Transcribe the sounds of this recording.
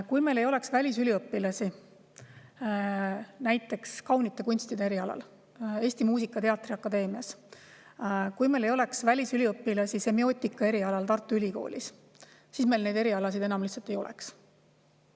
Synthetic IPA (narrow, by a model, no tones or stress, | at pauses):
kujme̞le̞jo̞le̞ksvælʲisylʲiɤpːilɑsi | næjt̪ːˑe̞kskɑwnit̪ːˑe̞kunʲst̪id̪e̞eɾiɑlɑ̰l | e̞ːsʲt̪imuːsikːˑɑt̪e̞ɑt̪ːˑriɑkːˑɑd̪e̞ːmiɑs | kujmele̞jo̞le̞ksvælʲisylʲiɤpːilɑsise̞mio̞ːt̪ʲːˑikːɑe̞ɾiɑlɑlt̪ɑrt̪ːˑuylʲiko̞̰ːlʲʔḭsː | isme̞jlne̞jd̪e̞ɾiɑlɑs̬id̪̥e̞nɑmliçt̪sɑlt̪ːˑe̞jo̞̰lʔɛ̰ks